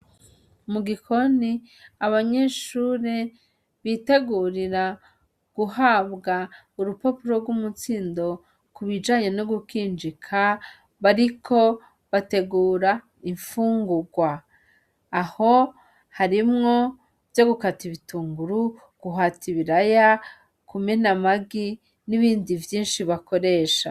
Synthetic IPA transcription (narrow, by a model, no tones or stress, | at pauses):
muɡikʰo̞ni | aβaɲe̞ːʃuɾe | βiːte̞ɡuːɾiɾa | ɡ̥uhaβɡa | uɾupo̞puɾo̞ɾɡwumut͡siːndo̞ | kuβid͡ʒaːɲe̞noɡukiːnd͡ʒikʰa | βaɾikʰo̞ | βate̞ɡuːɾa | iɱfuːŋɡuɡwaː | ho̞ | haɾimŋo̞ | vjo̞ɡukatiβituːŋɡuɾu | ɡ̥uɦatiβiɾaja | kume̞namaɡi | niβiːndivjiːnʃiβako̞ɾe̞ːʃa